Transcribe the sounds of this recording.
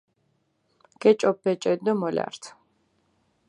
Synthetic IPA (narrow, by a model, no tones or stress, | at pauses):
ɡ̥ɛt͡ʃʼɔpːɛt͡ʃʼɛd̪nɔmɔlʲa̰ɾt̪ʰ